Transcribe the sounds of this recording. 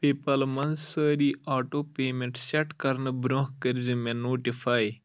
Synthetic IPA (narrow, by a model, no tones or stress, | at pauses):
peːpɐlmɐnzsəːɾiaːʈoːpeːmeɳʈsɐʈkɐɾnɐbɾõhkəɾzimenoːʈifaːj